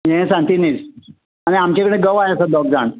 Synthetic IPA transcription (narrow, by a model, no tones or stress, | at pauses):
ɦɛ̃sãnt̪inid͡z | aɽ̃iamt͡ɕekəɽ̃ẽɡəʋajəsad̪ɔk̚d͡zaɳ